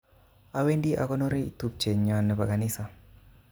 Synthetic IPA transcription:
a˨we˦ndi˦ʔa̰˨kɔ˦no˦ɾi˦ḭ˨t̪u˦p̚t͡ʃe˨ɲɔ˨nːɛ˨pa˨ka˨nɪ˦sa˨

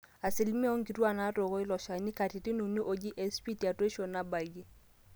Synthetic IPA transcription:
a˨sɪ˨lmi˦ɔ˦ŋ˦ki˨twa˦˨na˦to˨kɔ˦ɪ˦lɔ˨ʃa˨ni˦ka˨ti˨ti˦nu˨ni˦ʔo˨d͡ʒi˦ʔe˨spi˦ti˨a˨twe˦ʃo˨na˦ba˨ɡe˦

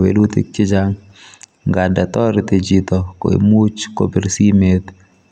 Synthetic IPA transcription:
wḛ˨lu˦t̪ḭ˦k̚t͡ʃɪ˦d͡ʒa˦ŋ | ŋɡa˨nda˨t̪ɔ˦ɾt̪e˨d͡ʒi˨t̪ɔ˨ko̰˨ḛ˨mu˦t͡ʃko̰˨be˨ɾsi˦me˦t̪

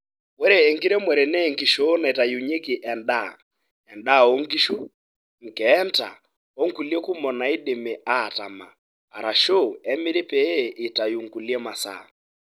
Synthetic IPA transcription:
wɛ˦ɾɛː˨ŋɡi˦ɾɛ˦mwɛ˨ɾɛ˨nɛ˦ŋɡi˨ʃo˦na˨ta˨ju˨ɲe˦ki˨ʔɛ˨nda˦˨ | ɛ˨nda˦˨o˦ŋɡi˦ʃu˦ | ŋ̩˨kɛ˦nta̰˨ | o˦ŋ̩ku˨li˦ɛ˦ku˦mɔ˨na˨i˦de˨me˨ʔa˦˨ta̰˨ma˨ | a˨ɾa˨ʃo˦ɛ˦mɪ˦ɾe˦pɛː˦˨ta˨ju˨ŋku˨li˦ɛ˦ma˨sa̰˨

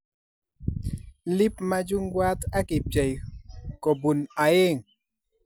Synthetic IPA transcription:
lɪ˦pma˦d͡ʒu˦ŋɡwa˦t̪a˦kɪ˨pjɛ˨jkɔ˨bu˨na˨je˦ŋ

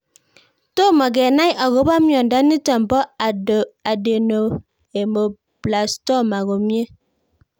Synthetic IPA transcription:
to˦ma˨ɡɛ˨na˦jʔa˨ɣo˨˦ba˦mi˦ɔ˨n˨da˦ni˦ta˨m˨bɔ˦˨a˨de˨no˨ | e˨mo˨ | bla˨stɔ˦˨ma˨ɣo˨mi˦e˦

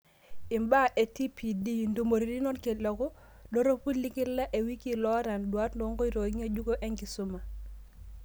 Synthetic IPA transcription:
i˨mba˦ʔe˨ti˦pi˨di˦ndu˨mo˨ɾi˨ɾi˦nɔ˦nke˨lo˨ko˦ | do˦ɾo˦pu˦lːi˦ki˦lːa˦ʔe˨wi˦ki˨lɔ˦ɾa˨ndu˨a˦tndo˦ŋko˦ɾo˨i˦ɲa˦d͡ʒu˦ɡo˦ʔe˦ŋki˨su˦ma˨

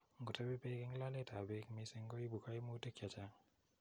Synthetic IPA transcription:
ŋɡu˨ta˦bi˦peke˦ŋla˦le˦ta˨bekmisi˦ŋɡo˦ji˦bu˨ka˦jmu˦te˦kja˨t͡ʃaŋ

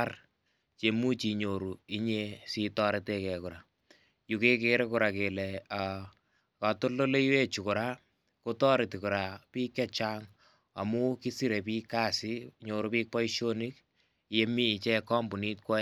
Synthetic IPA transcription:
ar | t͡ʃe˨mu˦t͡ʃi˨ɲo˨ɾu˨i˦ɲe˦si˦tɔ˦ɾe˦te˦kɛ˨kʊ˨ɾa˨ | ju˨ke˦ke˦ɾe˦kʊ˨ɾa˨ke˨lɛ˨a˨ | ka˨to˦lːo˦le˦i˦we˦t͡ʃu˨kʊ˨ɾa˦ | ko˦tɔ˦ɾe˨ti˨kʊ˨ɾa˨piː˦kɛ˦t͡ʃaŋ | a̰˨mu˦ki˦si˦ɾe˨pi˦kːa˦si˦ɲo˨ɾu˨piː˦k̚pɔ˦i˦ʃo˦ni˦k | je˦miː˦˨t͡ʃɛ˦kɔ˦mbu˨ni˦t̚kwɔ˦

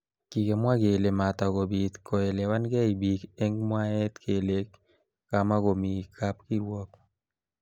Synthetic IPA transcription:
ki˨ke˨mwa˦ɡe˨le˨ma˨t̪a˨ko˨bi˨t̪kɔ˨ɛ˨lɛ˨wa˦nɡɛ˦i˨bi˨kɛ˦ŋmwa˦ɛ˦t̪kʰe˨le˦k | ka˨ma˦ko˨mi˨kʰa˦pki˦ɾwɔ˦p

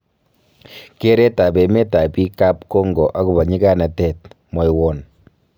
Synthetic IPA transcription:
ke˦ɾe˦ta˨be˨me˦ta˨pi˦ka˦p̚ko˦ŋɡɔ˨ʔa˦kʊ˨ba˨ɲi˦ka˦na˨tɛ˨t̚mɔ˨jwɔ˨n

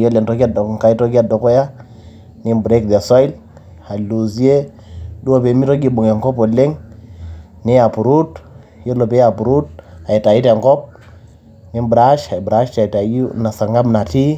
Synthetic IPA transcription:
je˦le˨ntɔ˨˦ki˦a˦do˨ŋ˨ka˨i˦to˦ki˦a˦do˨ko˦ja˦ | ni˦mbɾe˦k̚da˨sɔ˦i˦l | a˨lu˨zi˦e˦ | du˦o˦˨pe˨mi˦ɾo˦ɡi˦˨bo˨ŋe˨ŋkɔ˦po˨le˦ŋ | ni˦a˨pu˨ɾu˦t | je˦lo˨pe˦a˨pu˨ɾu˦t̚a˨i˨ta˨ji˦ta˨ŋkɔ˦p̚ | ni˦mbɾa˦ʃa˨i˨bɾa˦ʃta˨i˨ta˨u˦na˨sa˨ɾŋɡa˦bna˨ti˦

